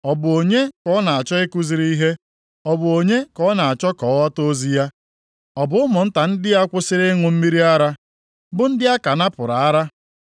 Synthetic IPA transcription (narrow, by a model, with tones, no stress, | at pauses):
ɔ˨bʊ˨o˨ɲe˦kɔ˦na˨a˨t͡ʃɔ˦e˦ku˦zi˨ɾi˦i˦ɦe˦ | ɔ˨bʊ˨o˨ɲe˦kɔ˦na˨a˨t͡ʃɔ˦kɔ˨˦wa˦to˦zi˦ja˦ | ɔ˨bʊ˨ʊ˦mʊ˨n̩˦ta˨n̩˦dɪ˦a˦kʷʊ˦sɪ˦ɾe˦ŋʊ˨m̩˦mi˦ɾi˦a˦ɾa˦ | bʊ˦n̩˦dɪ˦a˦ka˨na˦pʊ˨ɾa˨a˦ɾa˦